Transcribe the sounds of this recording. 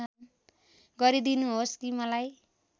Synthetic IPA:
an | ɡʌɾid̪inuɦoskimʌlaj

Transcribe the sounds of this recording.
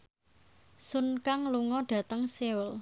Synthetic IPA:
sʊnkaŋluŋɔɖ̥ä̤t̪əŋsewəl

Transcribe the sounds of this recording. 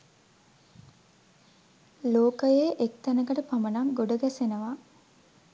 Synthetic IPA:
loːkəjeʔek̚t̪ænəkəʈəpamənaŋɡoɖəɡæsenəʋa

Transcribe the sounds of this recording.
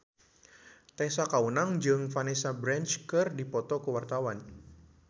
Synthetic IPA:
t̪ɛsakaunaŋd͡ʒɨŋfanɛsabɾɛnt͡ʃkɨrdipɔt̪ɔkuwart̪awan

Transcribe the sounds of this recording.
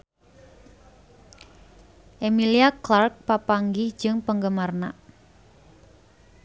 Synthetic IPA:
ʔemiliaklark̚papaŋɡɪhd͡ʒɨŋpəŋɡəmarnaʔ

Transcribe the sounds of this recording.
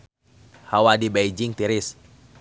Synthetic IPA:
hawadibeid͡ʒɪŋt̪iɾɪs

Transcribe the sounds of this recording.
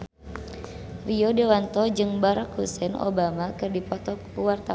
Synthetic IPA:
riodɛwant̪ɔd͡ʒɨŋbaɾakhusɛno̰bamakɨrdipɔt̪ɔkuwart̪a

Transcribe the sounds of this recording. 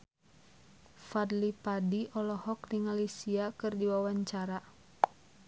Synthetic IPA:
fadlipadiʔɔlɔhɔk̚diŋalisiakɨrdiwawaɲt͡ʃaɾa

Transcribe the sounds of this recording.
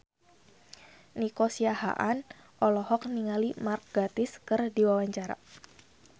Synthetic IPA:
nikɔsiaha̰ʔan | ʔɔlɔhɔk̚niŋalimark̚ɡat̪ɪskɨrdiwawaɲt͡ʃaɾa̰

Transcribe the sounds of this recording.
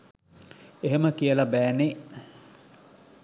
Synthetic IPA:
eɦeməkiəlabæːneʔ

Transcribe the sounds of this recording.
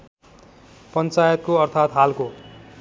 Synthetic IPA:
pʌnt͡sajʌt̪̚koʌrt̪ʰat̪ɦalko

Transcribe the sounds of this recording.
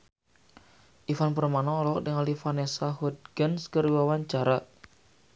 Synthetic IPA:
ʔifanpərmanɔɔlɔɔk̚dəŋalifanesaɦut̪̚ɡənskəriwawaɲt͡ʃaɾa

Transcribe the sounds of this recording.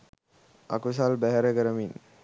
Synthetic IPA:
a̰kus̬albæɦɛɾəkəɾəmin

